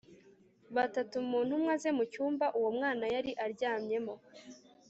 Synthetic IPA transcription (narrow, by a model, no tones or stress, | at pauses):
βatatumuːn̥humŋaze̞mucuːmbaʔuwo̞mŋaːnajaɾiʔaɾɟaːmɲe̞mo̞